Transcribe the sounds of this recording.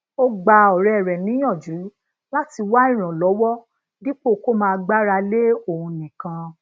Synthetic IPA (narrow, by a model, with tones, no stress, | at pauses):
o˦ɡ͡ba˧ɔ˨ɾɛ˨ɾɛ˨nĩ˨˦j̃ɔ̃˦˨d͡ʒu˨˦ | la˦ti˧wa˦ĩ˦˨ɾ̃ã˨lɔ˨˦wɔ˦ | ɡi˦k͡po˦˨ko˦mãː˧ɡ͡ba˦ɾa˧le˦o˦˨ũ˧nĩ˨kã˧